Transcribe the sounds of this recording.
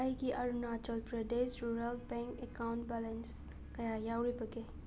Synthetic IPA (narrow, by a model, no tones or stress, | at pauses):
ajɡiʔɐɾunat͡ʃɔlpɾɐdesɾuɾɐlbeŋkekawnʈbalɐns | kɐjajawɾibɐɡe